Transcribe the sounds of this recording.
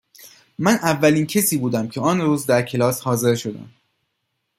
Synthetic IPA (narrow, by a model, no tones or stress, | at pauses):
mænʔævːæliːncʰesiːbuːd̪æmcʰe̞ɒːnɾuːzd̪æɾcʰe̞lɒːshɒːze̞ɾʃo̞d̪æ̰m